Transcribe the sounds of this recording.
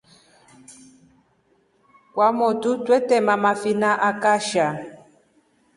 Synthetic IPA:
kwamotutwɛtɛmamafinaʔakaʃa

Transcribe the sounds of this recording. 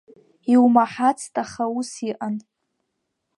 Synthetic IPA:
iwmaħat͡sʰtʼaχausiʔan

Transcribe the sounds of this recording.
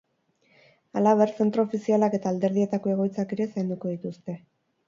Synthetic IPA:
alaβ̞eɾse̞nt̪ɾo̞ːfisialake̞t̪aːld̪e̞ɾð̞ie̞t̪ako̞e̞ɣ̞o̞jt͡sakeɾe̞sajnd̪uko̞ðit̪ust̪e̞

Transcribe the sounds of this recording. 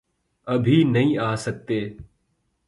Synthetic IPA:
əbʱiːnəɦĩːaːsək̚t̪eː

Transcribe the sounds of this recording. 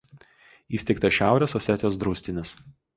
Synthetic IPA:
iːsʲt̪ʲɛɪk̚t̪ɐʃʲæˑʊɾʲɛsɔsʲɛt̪ʲɪjoːsd̪ɾuːsʲt̪ʲɪnʲɪs

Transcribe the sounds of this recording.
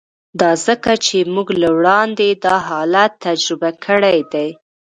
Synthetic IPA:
d̪ɑzəkat͡ʃemuɡlawɽɑnd̪ed̪ɑɦɑlat̪ːad͡ʒɾɪbakʰəɽajd̪aj

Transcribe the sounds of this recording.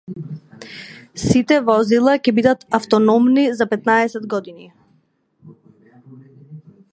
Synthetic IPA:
sit̪ɛvɔzilˠacɛbid̪at̪aft̪ɔnɔmnizapɛt̪naɛsɛd̪ɡɔd̪ini

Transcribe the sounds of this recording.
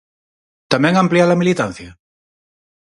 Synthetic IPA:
t̪amɛ̃ŋamplialamilit̪ãn̟θja

